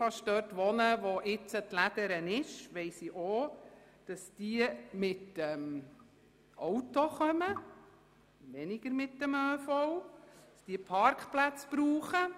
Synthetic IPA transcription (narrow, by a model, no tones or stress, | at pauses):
fɑʃtdøːrtʋɔnəʋoʔɪt͡sətlæd̥̪əɾənɪʃʋɛɪsiʔo | d̥ɑsd̥iːəmɪtəm | ʔowtoχœmə | ʋɛnɪɡ̥əɾmɪtdəmøːfɔwd̥ɑsd̥iəpʰɑɾkχplæt͡sb̥ɾuːχə